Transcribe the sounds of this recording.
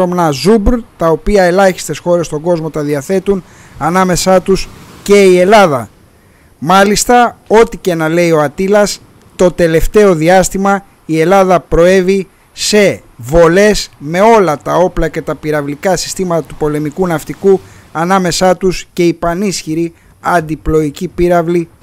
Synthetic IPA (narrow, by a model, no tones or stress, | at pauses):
omnɐzubɾt̪ɐo̞piɐe̞lɐçi̥st̪e̞sxo̞ɾe̞st̪o̞ŋɡo̞zmo̞t̪ɐðiɐθe̞t̪un | ɐnɐme̞sɐt̪usce̞ie̞lɐðɐ | mɐlist̪ɐo̞t̪ice̞nɐle̞io̞ɐt̪ilɐs | t̪o̞t̪e̞le̞ft̪e̞o̞ðiɐst̪imɐ | ie̞lɐðɐpɾo̞e̞vi | se̞ | vo̞le̞sme̞o̞lɐt̪ɐo̞plɐce̞t̪ɐpiɾɐvlikɐsi̥st̪imɐt̪ɐt̪upo̞le̞mikunɐft̪iku | ɐnɐme̞sɐt̪usce̞ipɐnisçiɾi | ɐnd̪iplo̞icipiɾɐvli